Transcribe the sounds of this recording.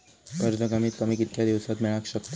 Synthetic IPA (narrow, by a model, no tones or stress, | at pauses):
əɾd͡zəkamiːt̪ːamiːkit̪kʰjad̪iʋsat̪mɛɭakɕəkt̪